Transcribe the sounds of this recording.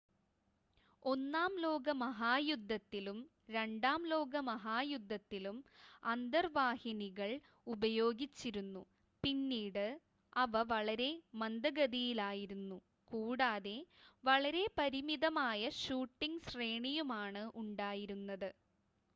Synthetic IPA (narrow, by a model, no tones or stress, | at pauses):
o̞nːaːmlo̞ːɡɐmɐɦaːjud̪ʱːɐt̪ːilum | ɾe̞ɳɖaːmlo̞ːɡɐmɐɦaːjud̪ʱːɐt̪ːilumɐnd̪ɐrʋaːhiniɣɐɭ | ubɐjo̞ːɡit͡ɕːiɾunːu | pinːiːɽɨ | ɐʋɐʋɐɭɐɾe̞mɐnd̪ɐɡɐðijilaːjiɾunːu | kuːɽaːðe̞ʋɐɭɐɾe̞pɐɾimiðɐmaːjɐɕuːʈːiŋɡɕreːɳijumaːɳɨʔuɳɖaːjiɾunːɐðɨ